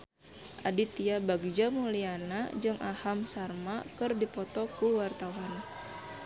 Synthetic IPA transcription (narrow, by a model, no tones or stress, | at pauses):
ʔadit̪iabaɡd͡ʒamulianad͡ʒɨŋʔahamsarmakɨrdipɔt̪ɔkuwart̪awan